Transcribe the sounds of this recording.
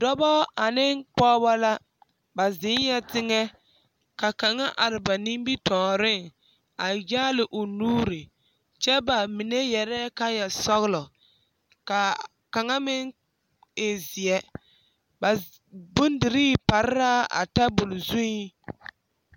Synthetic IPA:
dɔ˦bɔ˦a˨nɪ˦ŋk͡pɔː˦ba˦la˦ | ba˨zɪ˨˦nja˦tɪ˦ŋɛ˦ | ka˨ka˨ŋa˦ʔa˨ɾɪ˨ba˨ni˦m˦bi˦tɔː˨ɾɪ˦˨ŋ | a˨jaː˦lɪ˨ʔʊ˨nuː˦ɾe˨ | t͡ʃɛ˦ba˨mi˨ne˦jɛ˨ɾɛ˦ka˦ja˨sɔ˦ɣlɔ˨ | ka˨ | ka˨ŋa˦mɪ˦ŋ | e˨zɪ˨ɛ˦ | ba˨ | bʊ˦n˦dɪ˨ɾiː˦pa˨ɾɪ˦ɾa˦a̰˨ta˦bʊ˨lzu˦i˦

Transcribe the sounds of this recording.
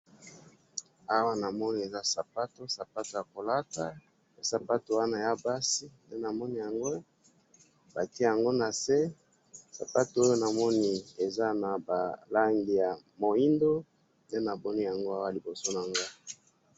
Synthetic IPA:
a˦wa˦na˨mɔ˦ni˦e˨za˦sa˨pa˦to˦sa˨pa˦to˨ja˨ko˨la˦ta˨ | e˦sa˨pa˦to˨wa˦na˨ja˦ba˦si˦nde˦na˨mɔ˦ni˦ja˨ŋɡo˦ | ba˨ti˦e˦ja˨ŋɡo˦na˨se˦ | sa̰˨pa˦to˨o˦jo˦na˨mɔ˦ni˦e˨za˦na˨ba˨la˦ŋɡi˨ja˨ | mo˨i˦ndo˦ | nde˦na˨bɔ˦ni˦ja˨ŋɡo˦a˦wa˦li˨bo˨so˦na˨ŋɡa˦˨

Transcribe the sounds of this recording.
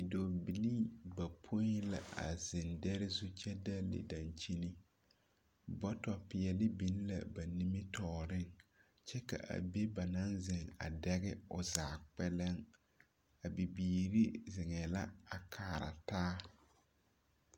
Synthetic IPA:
ɪ˨do˨bi˨li˦ba˨pʰo˦i˦la̰˨a̰˨zɪ˨ndɛ˦ɾɪ˦zu˦t͡ʃɛ˦da˦lɪ̰˨da˨nt͡ʃi˦ni˦ | bɔ˦tɔ˨pɪ˨jɛ˨lɪ˦bi˨˦n˦la̰˨ba˨ni˦mi˦tɔː˦ɾɪ˦ŋ | t͡ʃɛ˦ka̰˨ʔa̰˨be˦ba˨na˦nzɪ˨ŋa̰˨dɛ˦ɣɪ˦ʊ˨zaː˨k͡pɛ˦lɛ˦ŋ | a˨bi˨biː˨ɾi˦zɪ˨ŋɛ˨la̰˦a˨kʰaː˨ɾa̰˨taː˦

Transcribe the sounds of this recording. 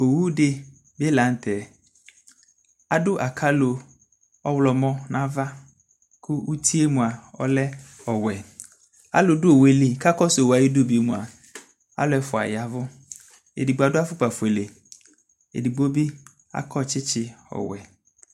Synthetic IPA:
o˨wu˦de˦ | be˦la˨˦n˦t̪ʰɛ˨ | a˦dʊ˦ʔa˨kʰa˦lo˨ | ɔ˦wlɔ˨mɔ̃˦nã˦va˦ | kʰʊ˦u˦t̪ʰi˦e˦mũ˨a˨ɔ̰˦lɛ˦ | ɔ˨wɛ˨ | a̰˦lʊ˨dʊ˦o˨we˨li˨ka˦kɔ˦swa˨ji˦do˦˨bi˨˦mũ˨a˨ | a̰˦lʊ˨˦ɛ˦fʊ˨a̰˨ja˨vʊ˦ | ḛ˨di˨ɡ͡bo˨a˨dʊ˦a˦fʊ˦k͡pa˨fʊ˨e˨le˨ | ḛ˨di˨ɡ͡bo˦bi˦ | a̰˦kɔ˦t͡ʃɪ˦t͡ʃɪ˦ɔ̰˨wɛ̰˨

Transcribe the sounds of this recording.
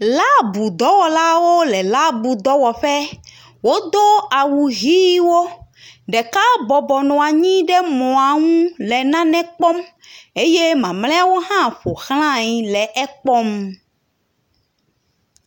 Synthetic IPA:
la˦bu˨d̪ɔ˨˦wɔ˨la˦wo˦lɛ˨la˦bu˨d̪ɔ˦wɔ˨ɸɛ˦ | wo˦d̪o˦a˨wu˨ɣi˦wo˦ | ɖɛ˨ka˦bɔ˨bɔ˨nɔ̃˨a˨ɲĩ˦ɖɛ˦mɔ̃˨a˨ŋũ˦lɛ˨nã˦nɛ̃˦k͡pɔ˦m | e˦je˦mã˨mlɛ̃˦a˦wo˦ɦã˦ɸo˨xl̃ã˦ɲĩ˨lɛ˨ʔɛ˦k͡pɔ˦m

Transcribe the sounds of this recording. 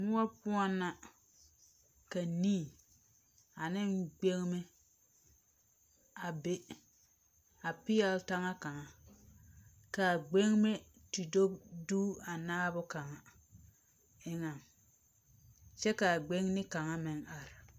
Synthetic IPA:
mʊ˦wa˦pʊ˦ɔ˦nːa˦ | ka˨niː˦˨ | a˨nɪ˦ŋɡ͡be˦ŋme˦ | a˨be˦ | a˨pɪ˦jɛ˦lta˦ŋa˦ka˨ŋa˦ | ka˨ɡ͡be˦ŋme˦ | ti˨do˦bduː˦a˨naː˦bʊ˦ka˨ŋa˨ | ɪ˦ŋa˨ŋ | t͡ʃɛ˦ka˨ɡ͡be˦ŋnɪ˦ka˨ŋa˦mɪ˨ŋa˨ɾɪ˨

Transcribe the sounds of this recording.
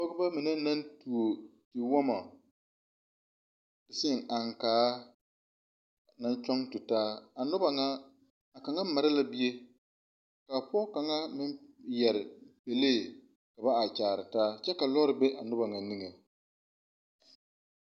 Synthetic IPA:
pɔ˦ɡʊ˦ba˦mɪ˨na˦na˦ntu˨o˨ | tɪ˨wɔ˦ma˨ | d̥ɪ˨sɪ˦˨ŋa˨ŋkaː˨˦ | na˦nt͡ʃɔ˦ŋtʊ˨taː˦a˨nʊ˦ba˨ŋaː˦˨ | ka˨ŋa˦ma˨ɾɪ˦la˦bi˦e˦ | ka˨pɔː˦ka˨ŋa˦mɪ˦mjɛ˨ɾɪ˨pe˨leː˦˨ | ka˨ba˦a˨t͡ʃaː˨ɾɪ˨taː˦t͡ʃɛ˦ka˨lɔ˦ɾɪ˨be˦ʔa˨nʊ˦ba˨ŋa˨ni˦ŋe˨

